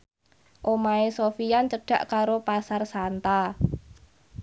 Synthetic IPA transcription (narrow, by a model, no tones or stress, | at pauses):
ʔomaesofijant͡ʃəɖ̥a̤̰ʔkaɾopasarsant̪a